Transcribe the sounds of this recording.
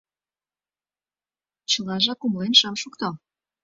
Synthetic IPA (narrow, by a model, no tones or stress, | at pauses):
t͡ɕɤlɑʒɑkumlenʃəmʃukt̪o